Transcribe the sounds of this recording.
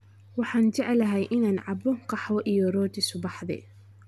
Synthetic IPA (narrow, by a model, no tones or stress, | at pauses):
wɑħɑːnt͡ʃɛʕɛlɐɦɛjʔɪnaːnʕɑbɔqɑħwɔʔijɔrɔːt̪ʰɪsʊbɑħðɛ̰